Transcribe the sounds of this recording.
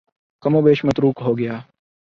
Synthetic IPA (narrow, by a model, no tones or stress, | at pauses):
kɐmoːbeːʃmɐt̪ɾuːkɦoːɡɐjaː